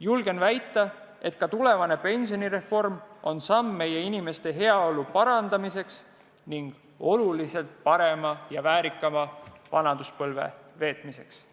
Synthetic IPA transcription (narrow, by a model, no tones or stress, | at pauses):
julɡ̥e̞nvæjt̪ˑːɑ | e̞t̪kɑt̪ule̞vɑne̞pe̞nʲsio̞niɾe̞fo̞rmo̞nsɑmːe̞je̞inime̞st̪e̞ɦe̞ɑolupɑɾɑnd̪ɑmise̞ks | niŋɡ̥ | o̞lulise̞lt̪̚pɑɾe̞mɑjɑvæːɾikːˑɑmɑvɑnɑd̪̥uspɤlve̞̰ve̞ːt̪ˑmise̞ks